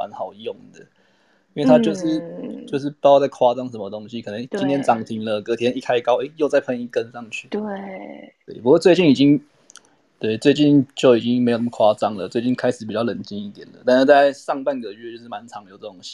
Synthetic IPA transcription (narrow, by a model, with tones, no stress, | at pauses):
ma̰˧˦nxɑ˨˩ʊjo˥˩ŋd̪ə˩ | i˥nwe˥˩ɪt̪ʰa˥t͡ɕjo˥˧ʊʂɻ̩˥˩t͡ɕjo˥˧ʊʂ̬ɻ̩˥˩pɑ˥˧ʊt͡sa˥˩ɪkʰwa˥t͡sɑ˥ŋʂə˧˥nmə˧t̪o˥ŋɕi˧˦kʰɤ˨˩nə˧˦ŋt͡ɕi˥nt̪ʰjɛ˥nt͡sɑ˨˩ŋt̪ʰi˧˥ŋlə˧kɤ˧˥t̪ʰjɛ˥ni˥˩kʰa˥ɪkɑ˥ʊe˦˥ɪjo˥˧ʊt͡sa˥˩ɪpʰə˧˥ni˥˩kə˦nʂɑ˥˧ŋt͡ɕʰy˥˩e˥˩t̪we˥˩ɪpu˧˥kwɔ˥˧˦t͡swe˥˧ɪt͡ɕi˥˩ni˨˩t͡ɕi˦ŋ | t̪we˥˩ɪt͡swe˥˧ɪt͡ɕi˥˨˧nt͡ɕjo˥˩ʊi˨˩t͡ɕi˦ŋme˧˥o˨˩nə˦məkʰwa˥t͡sɑ˥ŋlə̰˨t͡swe˥˧ɪt͡ɕi˥˩nkʰa˥ɪʂɻ̩˨˩pi˨˩t͡ɕjɑ˥˩ʊlə˨˩˦nt͡ɕi˧˥ni˥˩t̪jɛ˨˩nlə̰˩t̪a˥˧nʂ̩˥˧t͡sa˥˧ɪʂɑ˥˧ŋpa˥˩nɡə˨˩ɥɛ˥˧t͡ɕjo˥˧ʊʂɻ̩˥˩ma˨˦nʈ͡ʂʰɑ˨˦ŋjo˨˩ʊt͡sə˥˩o˥ŋɕi̥˧˦